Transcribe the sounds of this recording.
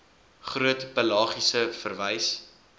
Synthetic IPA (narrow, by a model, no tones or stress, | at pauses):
χruətpəlɑːχisəfərvəjs